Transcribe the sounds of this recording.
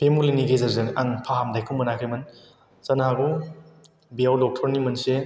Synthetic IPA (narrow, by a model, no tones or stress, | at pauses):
pʰemuliniɡezɐɾzɯŋaŋpʰaɦamdajkʰuŋmɯnakʰɾimɯn | zɐnaaɡu | bijawlɔk̚tʰɔɾnimɯnse